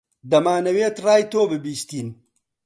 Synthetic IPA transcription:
d̪ɐmaːnɐweːt̪ɾaːjt̪oːbebiːst̪in

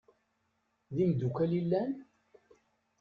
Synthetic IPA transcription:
ðimd̪ukælilːæn

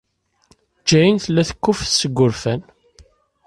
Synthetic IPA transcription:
d͡ʒːæjinθlːæθə̥kːʊfθsəɡʷːʊɾfæn

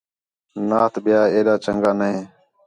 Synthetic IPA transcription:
naːt̪ɓɪjaːeːɗaːt͡ʃəŋɡaːnəɦẽː

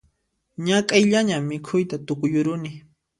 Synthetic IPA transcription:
ɲakʼajʎaɲamːɪkʰʊjt̪at̪ʊkʊjʊɾʊnɪ

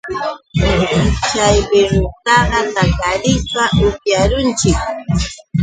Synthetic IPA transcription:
t͡ʃajbɪɾʊt̪ɑɢɑt̪akaɾɪpaʔʊpjaɾʊnt͡ʃɪk̚

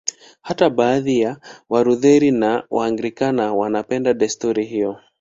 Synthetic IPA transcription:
hatabaːðijawaɾuðɛɾinawaːŋɡɾikanawanapɛndaɗɛstuɾiɦijɔ

